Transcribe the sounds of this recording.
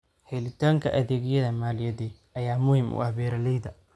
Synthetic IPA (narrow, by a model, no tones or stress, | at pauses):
hɛjlɪt̪ʰaːŋkʰɐʔɐðeːɣɪjɐðɐmaːlɪjɐðɛ | ɐjaːmʊhɪmʔʊ̰ʔɐβɛːɾɐlɛjðɐ